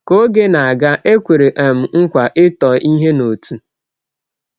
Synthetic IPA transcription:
ko˦ɡe˦na˨a˨ɡa˦ʔe˦kʷe˨ɾe˨ʔa˨m̩˨ŋ̩˦kʷa˨ʔɪ˦tɔ˨ʔi˦ɦe˦no˨tu˨

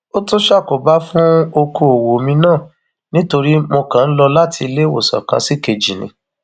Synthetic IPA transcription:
o˦tu˦ʃa˦˨ko˨ba˦fũ˦o˧ko˧o˨wo˨mĩ˧nãː˦˨ | nĩ˦to˧ɾi˦mo˧kã˨n̩˦lɔ˧la˦tʰi˧i˧le˦wo̰˦˨sa̰˨kã̰˧˦si˦˨ke˧d͡ʒi˨nḭ̃˧

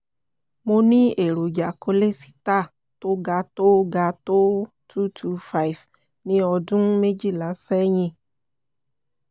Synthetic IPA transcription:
mo˧nĩ˦e˨ɾo˨d͡ʒa˨ko˧le˦si̥˧ta˦˨ | to˦ɡa˧to˦ɡa˧to˦ | tʰu˦tʰu˧˦fa˦i˨v | nĩ˧ɔ˧dũ˦me˦d͡ʒi˦˨la˨˦sɛ˦ɲĩ˧

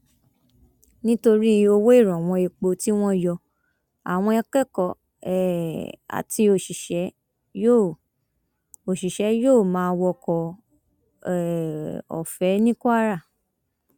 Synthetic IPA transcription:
nĩ˦to˧ɾi˦o˧wo˦i˦˨ɾ̃ɔ̃˨w̃ɔ̃˧e˨k͡po˧ti˦w̃ɔ̃˦˨jɔ˧ | a˨w̃ɔ̃˧ɛ˧kɛ˦˨kɔ˨ | ɛ˨a̰˨ti˧o˨ʃi˨ʃɛ˨˦ | jo˦˨ | o˨ʃi˨ʃɛ˨˦joː˦˨mãː˨˦˧wɔ˧kɔ˨ | ɛ˨ɔ̰˨fɛ˨˦nĩ˦ku˦a˦ɾa˦˨

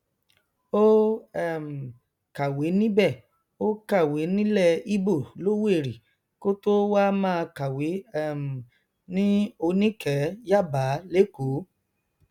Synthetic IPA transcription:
o˦ɛ˦˨m̩˨ | ka˨we˨˦nĩ˦bɛ˦˨ | o˦ka˦˨we˨˦nĩ˦lɛ˦˨i˦bo˦˨lo˦we˦˨ɾi˨ | ko˦to˦wa˦mãː˦˧ka˨we˨˦ɛ˦˨m̩˨ | nĩ˦o˧nĩ˦kɛ˨˦ja˦˨ba˨˦le˦ko˨˦

